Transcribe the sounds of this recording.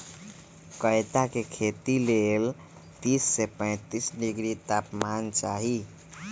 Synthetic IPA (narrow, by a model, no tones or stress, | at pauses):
kəjt̪akekʰet̪ilel | t̪isːepə̃ɪ̃t̪isɖiɡɾit̪apmant͡ʃaɦi